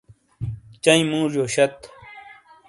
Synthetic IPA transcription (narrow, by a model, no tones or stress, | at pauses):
t͡ɕɐĩmũːʐjoːɕɐt̪